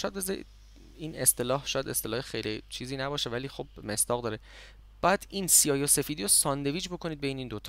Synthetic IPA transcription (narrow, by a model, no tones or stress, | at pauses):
ɔjæd̪̚bezḭ | iːnest̪e̞lɒːhʃɒːjæd̪e̞st̪e̞lɒːhexejlit͡ʃʰiːziːnæbɒːʃevæliːxob̥me̞sd̪ɒːɣd̪ɒːɾe | b̥æːæd̪̥insiɒːjose̞fiːd̪iːɾosɒːnd̪e̞viːd͡ʒbo̞kʰo̞niːd̪̚beiːniːnd̪ot̪ʰ